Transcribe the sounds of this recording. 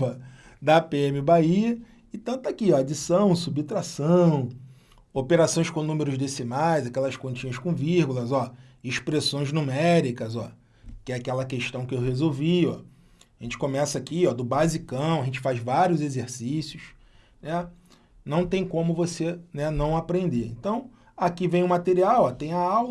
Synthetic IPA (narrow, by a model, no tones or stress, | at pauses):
ɐ | d̪ɐpeẽmɪbaiɐ | ɪt̪ɐ̃t̪akiɔad͡ʒisɐ̃w̃subt̪ɾasɐ̃w̃ | opeɾasõj̃skõnũmeɾʊʒd̪esinajzakɛlɐskõnt͡ʃĩɲɐskõviɾɡulɐzɔ | iʃpɾesõj̃znumɛɾikɐzɔ̰ | kɪɛakɛlɐkeʃt̪ɐ̃w̃kɪewhezowviɔ̰ | aʒẽnt͡ʃɪ̥kõmɛsɐakiɔd̪ʊbazikɐ̃w̃ɐʒẽnt͡ʃɪ̥fajzvaɾiʊzezeɾsisjʊs | nɛ | nɐ̃w̃t̪ẽj̃kõmʊvosenɛnɐ̃w̃apɾẽnd̪eɾḛ̃nt̪ɐ̃w̃ | akivẽj̃ʊmat̪eɾiawɔt̪ẽj̃ɐawlɐ